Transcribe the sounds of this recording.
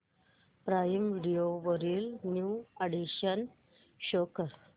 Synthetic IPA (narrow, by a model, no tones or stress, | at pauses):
pɾajmʋiɽijoʋəɾiːlnjuaɽiɕən | ɕokəɾ